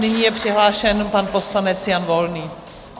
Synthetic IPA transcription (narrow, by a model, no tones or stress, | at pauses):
nɪɲiːjɛpr̥ɪɦlaːʃɛnpanpo̞slanɛt͡sjanvo̞lniː